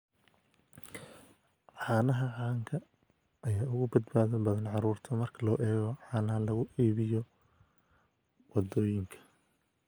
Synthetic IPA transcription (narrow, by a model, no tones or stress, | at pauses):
ʕɑːnɐɦɐʕɑːŋkʰɐ | ɐjaːʊɣʊbɐd̪baːðɐbɐðɐnʕɑɾuːrt̪ʰɔmɐrkʰɐlɔːʔɛːɣɔʕɑːnɐɦɐlɐɣʊʔiːβɪjɔ | wɑd̪ɔːjɪŋkʰɐ̥